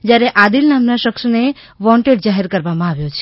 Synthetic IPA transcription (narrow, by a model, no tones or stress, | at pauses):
d͡ʒjaɾeʔad̪ilnamnaʃəkʃne | ʋɔ̃ɳʈeɖd͡ʒaɦeɾkəɾʋamãaʋjot͡ʃʰe̥